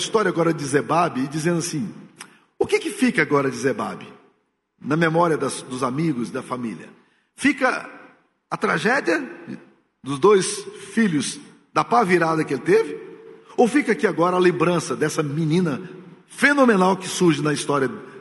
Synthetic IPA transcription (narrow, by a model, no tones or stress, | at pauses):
ist̪ɔɾjɐaɡɔɾɐd͡ʒɪzebabɪːd͡ʒizẽnd̪ʊasĩ | ʊkɪkɪfikɐaɡɔɾɐd͡ʒɪzeba̰bɪ | nɐmemɔɾiɐd̪ɐsd̪ʊzamiɡʊzd̪ɐfamilʲɐ̰ | fikɐ | ɐt̪ɾaʒɛd͡ʒiɐ | d̪ʊzd̪ojsfilʊz | d̪ɐpaviɾad̪ɐkɪelɪt̪evɪowfikɐakiaɡɔɾɐalẽmbɾɐ̃sɐd̪ɛsɐmĩnĩnɐ | fenõmẽnawkɪsuɾʒɪnɐist̪ɔɾiɐ